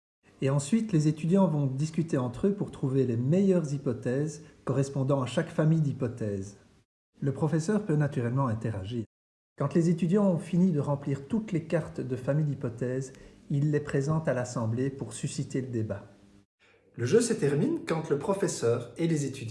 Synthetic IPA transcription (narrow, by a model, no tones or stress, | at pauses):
eɑ̃sɥit̪lezet̪yd̪jɑ̃vɔ̃d̪iskʲyt̪eɑ̃t̪χøpuʁt̪χuvelemejœʁzipɔt̪ɛːzkɔʁɛspɔ̃d̪ɑ̃aʃakfamijd̪ipɔt̪ɛːz | ləpχɔfɛsœʁpønat̪yʁɛlmɑ̃ɛ̃t̪ɛʁaʒiːʁ | kɑ̃t̪lezet̪yd̪jɑ̃ɔ̃finid̪əʁɑ̃pliːʁt̪ut̪lekaʁt̪d̪əfamijd̪ipɔt̪ɛːzilːɛpχezɑ̃t̪alasɑ̃blepuʁsysit̪eləd̪eba | ləʒøsət̪ɛʁminkɑ̃t̪ləpχɔfɛsœːʁelezet̪yd̪